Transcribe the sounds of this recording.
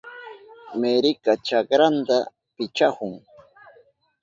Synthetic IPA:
meɾɪkat͡ʃakɾant̪a | pɪt͡ʃahʊŋ

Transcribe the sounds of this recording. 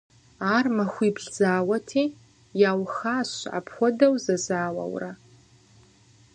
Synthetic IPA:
aːrmɐxʷiːbɮzaːwɐtʰiː | jaːwxaːɕa̰ːpʰxʷɔdɐwzɐzaːwɐ̰wrɐ

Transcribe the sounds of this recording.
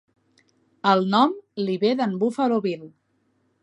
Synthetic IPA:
əlˠnɔmliβeðəmbufəloβil

